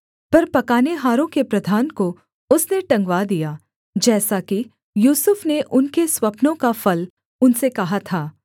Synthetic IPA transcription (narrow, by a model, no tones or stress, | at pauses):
pɐɾpɐkaːneɦaːɾõkepɾɐd̪ʱaːnko | ʊsneʈɐ̃ŋɡʋad̪ijaː | d͡ʒɛːsaki | juːsʊfneʔʊnkeswɐpnõkafɐl | ʊnsekɐɦat̪ʰaː